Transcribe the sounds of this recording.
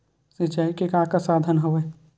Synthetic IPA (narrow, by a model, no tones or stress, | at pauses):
sid͡ʒaːikekãːkasaːd̪ʱənɦoʋe